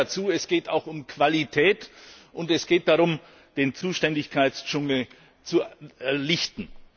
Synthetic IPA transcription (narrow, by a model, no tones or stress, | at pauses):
at͡suːɛsɡ̥eːta̰ʊxʊmkv̥alitʰɛːt | ʔʊntɛsɡ̥eːt̚d̥aʁʊm | d̥eːnt͡suːʃtɛndɪçkʰaɪt͡st͡ʃʊŋl̩ | t͡suɛlɪçtn̩